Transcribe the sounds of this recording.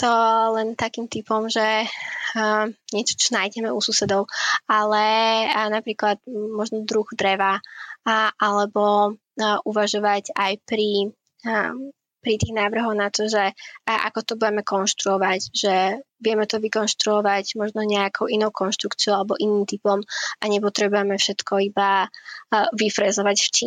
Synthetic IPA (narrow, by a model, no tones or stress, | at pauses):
t̪ɔlɛnt̪akiːmt̪ipɔmʒɛ | ɲɛt͡ʃɔ̥t͡ʃɔnaːjɟɛmɛususɛd̪ɔʊalɛnapɾiːklat̪mɔʒnɔd̪ɾuɣd̪ɾɛʋa | ʔalɛbɔ | ʔuʋaʒɔʋaɟajpɾi | pɾit̪iːɣnaːʋr̩ɦɔʊnat̪ɔʒɛʔa̰kɔt̪ɔbujɛmɛkɔnʃt̪ɾuɔʋaɟʒ̥ɛʋɪɛmɛt̪ɔʋikɔnʃt̪ɾuɔʋaɟmɔʒnɔɲɛakʰɔʊinɔʊkɔnʃt̪ɾukt͡siɔʊalɛbɔʔiniːmt̪ipɔmʔaɲɛpɔt̪ɾɛbujɛmɛfʃɛt̪kʰɔiba | ʋifɾɛzɔʋacft͡ʃi